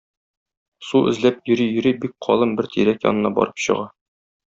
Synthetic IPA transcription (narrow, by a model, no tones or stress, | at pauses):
suɘ̰̆zlæp̚jɵ̆ɾijɵ̆ɾibik̚qʰɒ̰lˠɤmbɘɾt̪iɾækjɒ̰nɤ̆nɑbɒ̰ɾɤpɕɤ̆ʁɑ